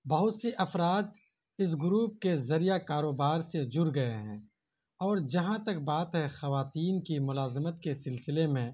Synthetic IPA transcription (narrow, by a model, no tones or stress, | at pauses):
bɐɦʊt̪seʔɐfɾaːt̪̚ | ɪs̬ɡʊɾuːp̚kezɐɾijakaːɾoːbaːɾsed͡ʒʊɾɡɐeɦɛ̃ː | ɔːɾd͡ʒɐɦãt̪ɐk̚baːt̪ɦɛxɐʋaːt̪iːnkimʊlaːzɪmət̪kesɪlsɪlemẽ